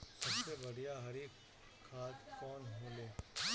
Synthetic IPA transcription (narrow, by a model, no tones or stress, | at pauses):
sɐbsebɐɽ̤ijaɦɐɾi | kʰaːt̪kɔːnɦẽːleː